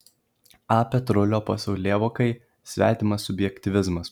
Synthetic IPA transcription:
ɑːpʲɛt̪ɾʊlʲoːpɐsɐʊlʲeːʋoːkɐɪ | sʲʋʲæ̰ːt̪ʲɪmɐsʊbʲjɛkʲt̪ʲɪʋʲɪzmɐs

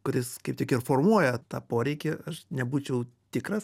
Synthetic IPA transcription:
kʊɾʲɪskɐɪp̚tʲɪkɪrfoːrmuɔjɛt̪ɑ̰ːpoːɾʲɛɪkʲɪɐʃnʲɛbuːt͡ʃʲɛʊ | t̪ʲɪkɾɐs

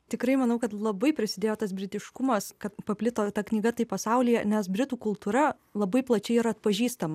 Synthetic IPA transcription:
t̪ʲɪkɾɐɪmɐnɐʊkɐt̪lˠɐbɐɪpʲɾʲɪsʲɪd̪ʲeːjoːt̪ɐsbʲɾʲɪt̪ʲɪʃkʊmɐskɐt̪pɐpʲlʲɪt̪oːt̪ɐknʲiːɡɐt̪ɐɪpɐsɐʊlʲiːjɛnʲɛsbʲɾʲɪt̪uːkʊlˠt̪uːɾɐ | lˠɐbɐɪplˠɐt͡ʃʲɛɪiɾɐɐt̪̚pɐʒʲiːst̪ɐmɐ

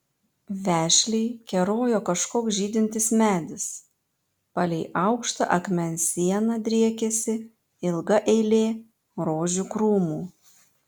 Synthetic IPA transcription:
ʋʲæːʃʲlʲɛɪkʲɛɾoːjoːkɐʃkoːksʒʲiːd̪ʲɪnʲt̪ʲɪsmʲæːd̪ʲɪs | pɑlʲɛɪʔɐʊkʃt̪ɐ̰ʔɐkmʲɛnʲsʲiɛnɐd̪ʲɾʲiɛkʲɛsʲɪ | ɪlˠɡɐʔɛɪlʲeː | ɾoːʒʲukɾuːmuː

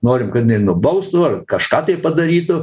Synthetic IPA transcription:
noːɾʲɪmkɐt̪ʲɪnʲɛɪnʊbɐʊst̪ʊɐrkɐʃkɑːt̪ɐɪpɐd̪ɐɾʲiːt̪ʊ

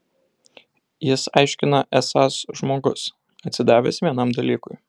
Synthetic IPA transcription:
jɪsɑ̰ɪʃʲkʲɪnɐʔɛsɑsʒmoːɡʊs | ɐt̪ʲsʲɪd̪ɑːʋʲḛsʋʲiɛnɐˑmd̪ɐlʲiːkʊɪ

